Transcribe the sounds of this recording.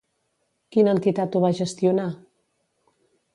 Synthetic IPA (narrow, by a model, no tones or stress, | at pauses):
kinənt̪it̪at̪uβaʒəst̪juna